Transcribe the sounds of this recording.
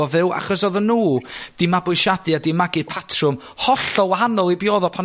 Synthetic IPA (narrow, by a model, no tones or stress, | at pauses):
ɔvɪwa̰χɔsɔðənːuːd̥ɪmabʊʃadɨadimaɡɨpʰatʰrʊm | hɔɬɔwaɦanɔlˠibjɔːðɔpʰan